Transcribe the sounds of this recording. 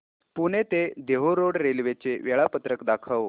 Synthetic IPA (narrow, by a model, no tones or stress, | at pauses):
puɳ̃et̪ed̪eɦoɾoɽɾelʋet͡seʋɛɭapət̪ɾəkd̪akʰaʋ